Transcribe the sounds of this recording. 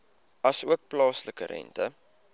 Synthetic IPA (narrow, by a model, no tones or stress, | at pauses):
ɐsuək̚plɑːsləkəɾʔɛ̰ntə̰